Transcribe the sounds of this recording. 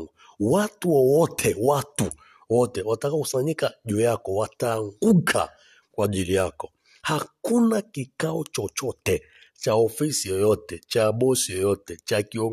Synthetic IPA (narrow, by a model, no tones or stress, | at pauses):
watuɔwɔtʰɛwatu | wɔtɛwatakausaɲikaʄujakɔwataŋɡukʰa̰ | kwad͡ʒilijakɔ | hakunakikaɔt͡ʃɔt͡ʃɔtɛ | t͡ʃaɔfisijɔjɔtɛt͡ʃaɓɔsijɔjɔtɛt͡ʃakiɔ